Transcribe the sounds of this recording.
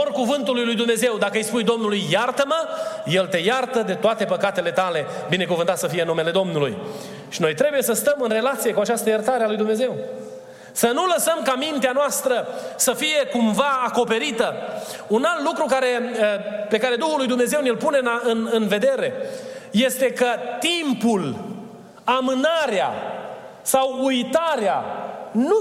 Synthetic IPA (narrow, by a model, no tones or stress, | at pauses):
orkuvɨnt̪ulujlujd̪umne̞ze̞wd̪akəːjspujd̪o̞mnulujːart̪əməje̞lt̪e̞jart̪əd̪e̞t̪oat̪e̞pəkat̪e̞le̞t̪ale̞ | bine̞kuvɨnt̪at̪səfijenːume̞le̞d̪o̞mnulṵj | ʃino̞jt̪ɾe̞buje̞səst̪əmɨnre̞lat̪sije̞kuat͡ʃast̪əjərt̪aɾealujd̪umneze̞w | sənuləsəmkamint̪eanoast̪ɾəsəfije̞kumvaako̞pe̞ɾit̪ə | unalt̪lukɾukaɾe̞əpe̞kaɾe̞d̪uhulːujd̪umne̞zewnilpune̞naɨnɨnve̞d̪e̞ɾe̞je̞st̪e̞kət̪impul | amɨnaɾea̰ | sawujt̪aɾeanu